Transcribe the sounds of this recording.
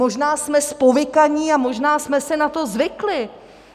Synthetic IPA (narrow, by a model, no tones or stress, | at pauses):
o̞ʒnaːsmɛspo̞vɪkaɲiːamo̞ʒnaːsmɛsɛnat̪o̞zvɪklɪ